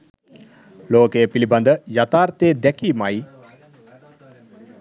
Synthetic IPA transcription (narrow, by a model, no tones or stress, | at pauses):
loːkejəpiliband̪əjat̪aːɾt̪eːd̪ɛkiːmaj